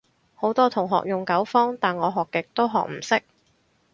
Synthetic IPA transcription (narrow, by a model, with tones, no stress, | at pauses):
ho˨˥wt̪ɔː˥t̪ʰʊ˨˩ŋɦɔ̰ː˨k̚jʊ˨˩ŋkɐ˨˥wfɔː˥ŋt̪aː˨˩nŋɔː˨˧ɦɔː˨kːɪ˨k̚t̪o˥wɦɔ̰ː˨k̚m̩˨˩sɪ˥k̚